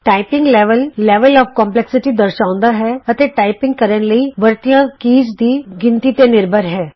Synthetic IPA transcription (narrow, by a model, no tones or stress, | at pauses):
ʈaːɪpɪ̃ŋɡlɛːʋəlːɛːʋəlɔːfkɔ̃ːmplɛksɪʈid̪əɾʃãːʊ̃nd̪aːɦɛːɐt̪eʈaːɪpɪ̃ŋɡ̚kəɾənləiʋəɾt̪ijãkiːd͡ʒd̪iːɡɪ̃nt̪it̪enɪɾbʱəɾɦɛː